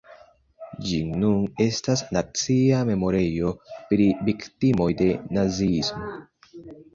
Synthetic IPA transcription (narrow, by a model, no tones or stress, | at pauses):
d͡ʒinune̞stasnat͡siame̞mo̞ɾe̞jo̞pɾiviktimo̞jde̞naziismo̞